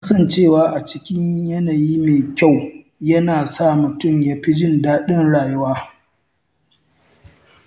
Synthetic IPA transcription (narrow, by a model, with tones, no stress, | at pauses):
a˦ksɐ˦˨nt͡ʃeː˦˨waː˦ʔa˨t͡ʃɪ˦kʲɪ˦ɲjɐ˦naː˨jiː˦meː˨kʲa˦˨w | jɐ˦naː˨sa˦˨mʊ˨tʊ˦˨mjaː˦ɸi˦d͡ʒɪ˦ndaː˦ɗɪ˦nɽaː˨jʊ˦waː˦